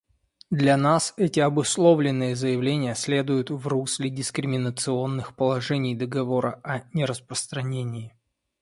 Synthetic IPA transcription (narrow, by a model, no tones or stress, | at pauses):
d̪lʲɐnasɛtʲɪɐbʊslˠo̞vlʲɪnːɨjəzəjɪvlʲenʲɪjəsʲlʲe̞d̪ʊjʊt̪vruslʲɪdʲɪskɾʲɪmʲɪnət̪sɨo̞nːɨxpəlˠɐʐɛnʲɪjd̪əɡɐvo̞ɾəʔɐnʲɪɾəspɾəst̪ɾɐnʲenʲɪː